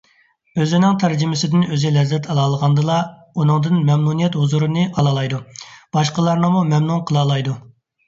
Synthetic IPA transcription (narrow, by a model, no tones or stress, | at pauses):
øzɪnɪŋt̪ʰæɾd͡ʒɪmɪsɪd̪ɪnøzɪlɛzːɛt̪ʰɑlˠɑːlˠəʁɑnd̪ɨlˠɑ | unɨŋd̪ɨnmɛmnunijɛt̪huzuɾɨnɨɑlˠɑlˠɑjd̪ub̥ɑʃqəlˠɑɾnɨmumɛmnunqʰəlˠɑːlˠɑjd̪u